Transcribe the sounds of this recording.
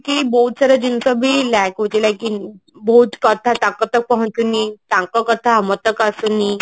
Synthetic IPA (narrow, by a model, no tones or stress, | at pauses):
kibowd̪səɾəd͡ʑinsəbiːlakʋut͡ɕilakibot̪kət̪ʰat̪ãkət̪ək̚pəɦə̃nt̪unit̪ãŋkəkət̪ʰaəmət̪əkasuni